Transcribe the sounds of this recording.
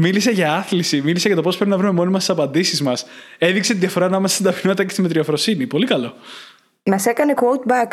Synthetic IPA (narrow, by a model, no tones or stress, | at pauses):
milise̞ʝɐɐθlisimilise̞ʝɐt̪o̞pospɾeinɐvɾume̞mo̞nimɐst̪esɐpɐnd̪isizmɐs | e̞ðikse̞t̪iðʝɐfo̞ɾɐːnɐmesesd̪ɐpinmɐt̪t̪ɐcest̪imet̪ɾiɐfɾo̞sinipo̞likɐlo̞ | mɐse̞kɐne̞kwout̪̚bɐk